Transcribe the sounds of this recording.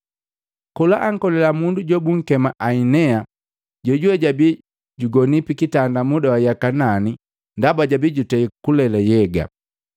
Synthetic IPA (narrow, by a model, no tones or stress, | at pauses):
kɔlaʔaŋ̩kɔlɛlamunduɟɔbuŋ̩kɛmaʔainɛa | ɟɔɟuwɛɟabi | ɟuɡɔnipikitandamudawajakanani | ndabaɟabiɟutɛikulɛlajɛɡa̰